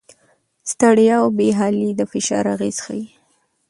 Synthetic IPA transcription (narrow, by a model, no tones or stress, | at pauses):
st̪aɽjɑwbeɦɑlid̪əfɪʃɑ̰ɾaɣez̥xaji